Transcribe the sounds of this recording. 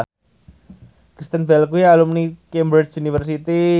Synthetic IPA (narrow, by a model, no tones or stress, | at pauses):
kɾist̪ənbɛlkujalumnikembɾɛsunifərs̬it̪i